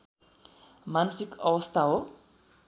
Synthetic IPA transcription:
mansikʌwʌst̪ʰaɦo

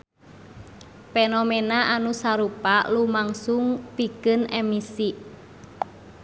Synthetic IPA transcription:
fenomenaʔanusaɾupalumaŋsuŋpikɨnemisi

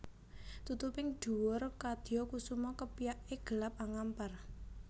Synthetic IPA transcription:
t̪ut̪upɪŋɖ̥ṳwʊrkad̪̥iɔkusumɔkəpijaʔeɡ̥əlap̚aŋampar

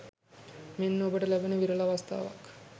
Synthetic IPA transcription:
menːobəʈəlæbənəʋiɾəlaːʋɐst̪a̰ːʋa̰k

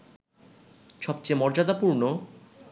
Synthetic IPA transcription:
ʃɔb̚t͡ɕemɔɾd͡ʑad̪apuɾno

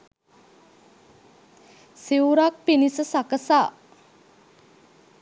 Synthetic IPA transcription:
siuɾak̚pinisəsakəsaː

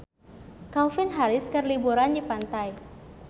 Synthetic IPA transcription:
kalfɪnɦaɾɪskərlibuɾandipant̪aj

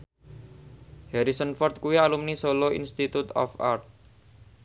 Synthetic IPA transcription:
hɛɾisənfɔrt̪̚kuialumnisolɔḭnst̪it̪ut̪ɔ̰fa̰rt̪̚

